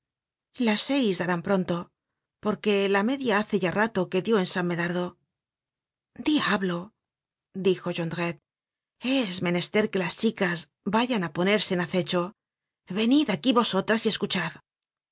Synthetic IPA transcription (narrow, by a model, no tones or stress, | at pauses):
lasːe̞jzðaɾampɾo̞nt̪o̞ | po̞ɾke̞lame̞ðjaaθe̞ʝarat̪o̞ke̞ðjo̞ensamːe̞ðaɾðo̞ | d̪iaβlo̞ | d̪ixo̞ʝond̪ʁet̪̚ | e̞zme̞ne̞st̪e̞ɾke̞last͡ʃikaz | baʝanapo̞ne̞ɾse̞ːnaθe̞t͡ʃo̞ | βe̞niðakiβo̞so̞t̪ɾasie̞skut͡ʃað